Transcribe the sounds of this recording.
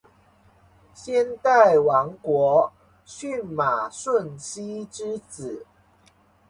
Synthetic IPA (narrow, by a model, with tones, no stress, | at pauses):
ɕjɛ˥˧nt̪a˥˨ɪwɑ˨˧˥ŋkwɔ˧˦ | ɕy˥˨nma˨˩ʂwə˥˨nɕi˥ʈ͡ʂɻ̩˥t͡sɹ̩˨˩˦